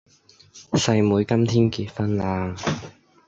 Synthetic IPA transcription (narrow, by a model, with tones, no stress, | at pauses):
sɐ˧jmuː˨˧jkɐ˥mt̪ʰiː˥nkiː˧t̚fɐ˥nlaː˧˩